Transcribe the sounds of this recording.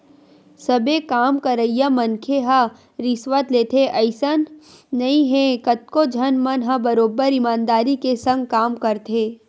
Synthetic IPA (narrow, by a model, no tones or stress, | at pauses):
sɐbekaːmkɐɾəijamɐnkʰeɦa | ɾɪsʋət̪leːt̪ʰeʔɐɪsənː | ɐĩɦɛ̃kɐt̪̚kod͡ʒʱɐnmɐnɦɐbɐɾoːbəɾɪmaːnd̪aːɾikesɐ̃ŋɡ̚kaːmkɐɾt̪ʰeː